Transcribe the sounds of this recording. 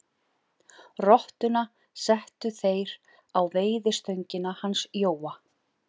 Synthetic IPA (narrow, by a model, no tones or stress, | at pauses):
rɔht̪ʏna | sɛht̪ʏθejɾ | awveːjðɪ̥st̪œɥɲcɪnahansjoːwa